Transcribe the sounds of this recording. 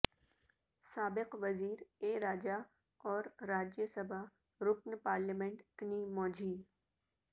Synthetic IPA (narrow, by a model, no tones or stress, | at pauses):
saːbɪqʋɐziːɾeːɾaːd͡ʒa | ɔːɾːaːd͡ʒjəsəbʱa | ɾʊknpaːɾlimẽɳʈt̪niːmɔːd͡ʒʱiː